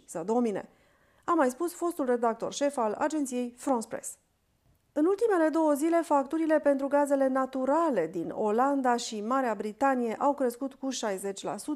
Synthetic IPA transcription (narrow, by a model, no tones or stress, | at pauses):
səd̪o̞mine̞̰ | amajspusfo̞st̪ulre̞d̪ak̚t̪o̞rʃe̞fala̰d͡ʒent̪sije̞jfɾonspɾḛs | ɨnult̪ime̞le̞d̪o̞wəzile̞fak̚t̪uɾile̞pe̞nt̪ɾuɡaze̞le̞nat̪uɾale̞d̪ino̞land̪aʃimaɾeabɾit̪anije̞ʔawkɾe̞skut̪kuʃajze̞t͡ʃʲla̰su